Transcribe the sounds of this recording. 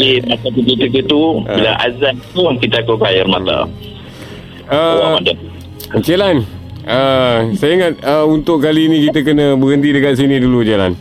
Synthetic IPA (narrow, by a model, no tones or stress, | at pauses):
ipat̪akəkit̪ək̬ət̪ubila̰ŋʔa̰zant̪ukit̪əakakajarmaa̰ | əmada | d͡ʒelanəsajiŋat̪̚əunt̪ʊʔkaliːnĩkit̪əkənə̃bəɡənt̪̬idəkat̪̚s̬inĩdulud͡ʒela̰n